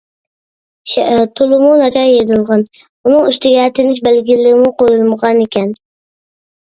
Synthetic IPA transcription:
t̪ʰʊlˠɪmʊnat͡ʃʰɑɾjezɪlˠʁɑn | ʊnɪŋʊst̪ʰɪɡʲat̪ʰɪnɪʃ̬belɡʲɪlːɪɪmʊqʰojɪlˠmʁɑnekʲʰan

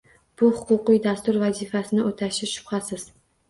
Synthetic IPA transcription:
b̥ʊhʊ̥qʊqɨjd̪ast̪ʊɾvazifasɪnɪʔot̪ʰaʃɪʃʊ̥pχasɪz̥

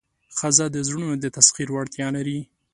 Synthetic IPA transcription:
xazad̪əzɾunod̪ət̪asxiɾwaɽt̪jɑlaɾi

